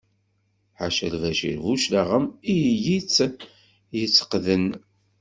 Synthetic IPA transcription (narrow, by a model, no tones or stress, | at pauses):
ħaʃəlvæʃḭɾvuʃlaʁəmijjit͡sː | jət͡sːə̥qðən